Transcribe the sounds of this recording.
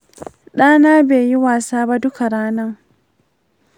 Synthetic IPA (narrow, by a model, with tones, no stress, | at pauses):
ɗaː˦naː˦beː˨ji˦waː˨saː˦ba˦dʊ˦ka˨ɽaː˦na˦ŋ